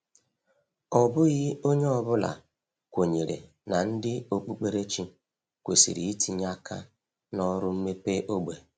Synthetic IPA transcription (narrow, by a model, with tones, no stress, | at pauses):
ɔ˨bʊ˦ɣɪ˦o˦ɲe˦ɔ˨bʊ˦la̰˨ | kʷo˨ɲe˨ɾḛ˨ | na˨n̩˦dɪ˦o˨k͡pu˦k͡pe˦ɾe˦t͡ʃi˦ | kʷḛ˨sḭ˨ɾḭ˨i˦ti˨ɲa˦ka˦ | nɔ˦ɾʊ˦m̩˦me˦pe˦ʔo˦ɡ͡be˨